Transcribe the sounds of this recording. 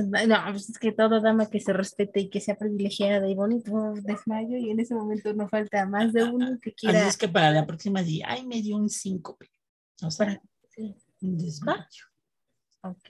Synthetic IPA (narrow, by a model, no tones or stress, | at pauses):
anoaβesesket̪o̞ðoðamake̞se̞re̞spe̞t̪eikese̞apɾiβile̞xjaðaðejβonit̪od̪e̞zmaʝo̞ie̞ne̞se̞mo̞mẽnt̪o̞no̞falt̪amazðeunokekjeseskepaɾaðeapɾoksimaðia̰jmeðjounsiŋkope̥ | osaɾa | si | und̪ezmaʝo | oke